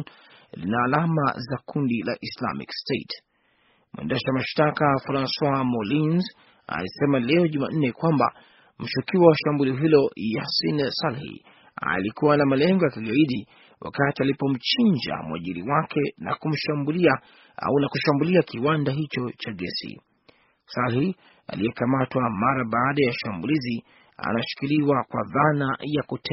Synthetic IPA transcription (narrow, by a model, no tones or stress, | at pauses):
n | lḭnaːlama̰zakundila̰ʔisla̰mḭkstet | mwɛ̰̃ndɛʃaamaʃtakafaɾanswamɔlinz | a̰lisɛmalɛɔʄuma̰n̩nɛkwamba̰ | m̩ʃukiwawaʃambuliɔɦilɔjasinsalhḭ | a̰likuwanamalɛŋɡɔjakiɡaiɗi | wʔa̰katialipɔm̩t͡ʃiɲd͡ʒa̰mwa̰ʄiɾiwakʰɛna̰kum̩ʃambulia | a̰unakuʃambuliakiwandaɦit͡ʃɔt͡ʃaɠɛ̰sḭ | salhi | a̰lijɛkamatwamaɾaɓaːɗajaʃambulizi | a̰naʃi̥kiliwakwa̰ðanajakutʰɛ